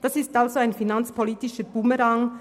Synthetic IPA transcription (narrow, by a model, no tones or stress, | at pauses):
d̥ɑsɪstalzoaɪnfinant͡spʰoliːtɪʃəb̥uməɾɑŋ